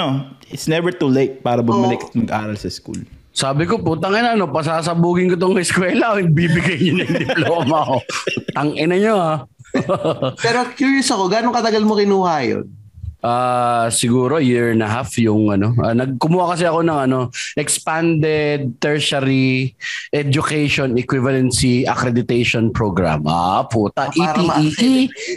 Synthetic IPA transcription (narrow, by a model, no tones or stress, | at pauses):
oɪt̪snɛvɛɹt̪ulejt̪̚paːɾɐbʊmɐlɪkɐt̪̚mɐɡʔa̰ːɾɐlsɐskṵl | saːbɪkopot̪ɐŋʔɛnɐʔɐno̞pɐs̬aːs̬ɐbuːɡɪnkot̪̬oŋɛskwɛːlɐʔoɡ̚bibɪɡajɲonɐŋd̪ɪplooːmɐkot̪ɐŋʔɪnɐɲoha | pɛːɾokjuːɹjosɐko̞ɡaːnoŋkɐt̪ɐɡɐlmokɪnuːhajo̰n | ʔaːsɪɡuːɾo̞jɪɹnɐɦafjʊŋʔɐno̞ɐnɐɡ̚kʊmuːhakɐsɛɐko̞nɐŋɐno̞ʔɛkspand̪ɛd̪̚t̪ɛɹsɐɾi | ʔɛd͡ʒʊkɛjʃonɛkwɪvɐlɛnsiʔɐkɾɛd̪ɪt̪ɛjʃonpɹoɡɾa̰mʔa̰puːt̪aʔiiiʔi